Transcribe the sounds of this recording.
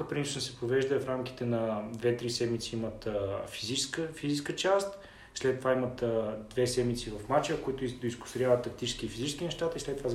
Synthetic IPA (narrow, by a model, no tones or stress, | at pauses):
əpɾinsnəsɛpovɛʒd̪əɛfɾamk̟i̥t̪ɛnɐd̪vɛt̪ɾisɛd̪mit̪siimət̪ːfizit͡ʃskəfiziskət͡ʃast̪ | slɛt̪ːovaimət̪ːd̪vɛsɛd̪mit̪sivɐfmat͡ʃəkoit̪ʊid̪oʊiskʊ̥st̪oɾʲjavət̪ːɐk̚t̪it͡ʃɛ̥sk̟ifizit͡ʃɛskʲinɛʃt̪at̪əislɛt̪ːova